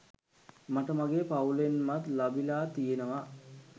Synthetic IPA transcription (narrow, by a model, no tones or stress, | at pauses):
maʈəmaɡeːpaulenmat̪labilaːt̪ijenəʋa